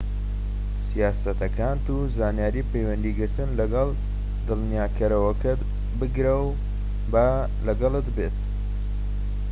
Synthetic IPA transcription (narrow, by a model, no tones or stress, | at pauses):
sijaːsɐt̪ɐkʰaːnt̪uzaːnjaːɾiːpʰejwɐnd̪iɡɨɾt̪ɨnlɐɡɐlˠ | d̪ɨlnjaːkʰɐɾɐwɐkʰɐ | bɨɡɾɐw | ba | lɐɡɑlˠɨt̪bet̪̚